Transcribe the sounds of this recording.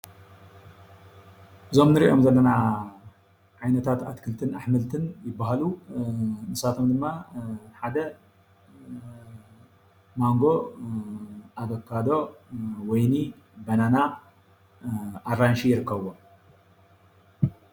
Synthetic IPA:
ʔɨzo̞mnɨɾḭʔo̞mzɐlːɐna | ʕajnɐt̪ʰat̪at̪kʰɨlt̪ʰɨnaħmɨlt̪ʰɨnjɪbːaɦalu | nɨsat̪ʰo̞md̪ɨmːaħad̪ɐ | maŋɡo̞ | ʔaβɐkʰːad̪o̞wɔjni | bɐnana | aɾanʃijɪɾɨkːɐβo

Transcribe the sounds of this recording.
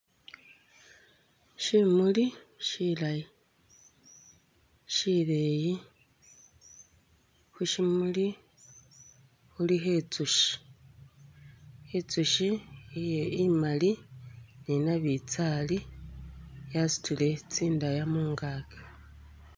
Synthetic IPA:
ʃimuliʃilaji | ʃileji | huʃimuli | xuliɦet͡suʃi̥ | et͡suʃiijeimalininaβit͡sali | jasi̥tule̞t͡siːndajamuːŋɡaːke̥

